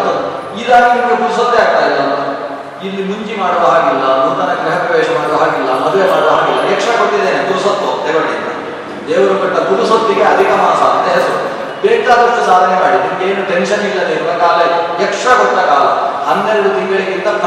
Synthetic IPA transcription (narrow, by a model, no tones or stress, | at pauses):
t̪ɐd̪u | ilaːnɐnimeɡuɾusot̪ːeaːɡ̚t̪aːjilːɐlːɐ | ilːimuɲt͡ʃimaːɽɔʋuɦaːɡilːɐmund̪ɐnɐɡɾɐɦɐpɐʋeːʃɐmaːɽɾɐɦaːɡilːɐmɐd̪ʋemaːɽɔʋuɦaːɡilːɐɛkʂakoʈːid̪eːneɡuɾusot̪ːot̪ɛɾɐɽint̪ɐ | d̪eːʋɐɾɐkɐʈːɐɡuɾusot̪ːiɡeɐd̪ʱikɐmaːsɐːnt̪ːeɐs | beːkaːd̪ɐʂʈusaːd̪ʱɐnemaːɽid̪ieːnuʈenʃɐnilːɐd̪eːʋɐɾɐkaːlɐɛkʂakoʈ̪ːɐkaːlɐhɐnd̪ːɛɾɐɽut̪iŋɡɐɭiɡint̪ɐp